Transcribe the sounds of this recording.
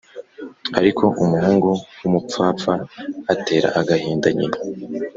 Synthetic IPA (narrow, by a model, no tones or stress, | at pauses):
aɾikʰo̞ʔumuɦeːŋɡowumup͡faːpfaːte̞ːɾa̰ʔaɡahiːndaɲḭɾ